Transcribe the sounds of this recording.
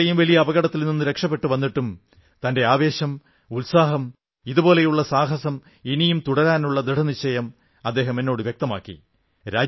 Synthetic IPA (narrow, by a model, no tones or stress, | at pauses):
ɐjumʋɐlijɐːbɐɣɐɽɐt̪ːilninːuɾe̞kʂɐp̬ːe̞ʈːuʋɐnːiʈːum | t̪ɐnde̞aːʋe̞ːɕɐm | ulsaːɦɐm | iðubo̞ːle̞juɭːɐsaːɦɐsɐm | inijumt̪uɽɐɾaːnuɭːɐd̪ɾiɽʰɐnit͡ɕːɐjɐm | ɐd̪ːe̞ːɦɐmenːo̞ːɽɨʋjek̚t̪ɐma̰ːkːḭ | ɾaːd͡ʑ